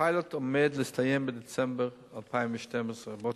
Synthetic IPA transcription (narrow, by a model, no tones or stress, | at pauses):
aɪlˠətʊmeːdlˠɪstʰajembɪdɛt͡sɛmbəɾ | apʰaɪmɪʃtɛməsʁəbɔ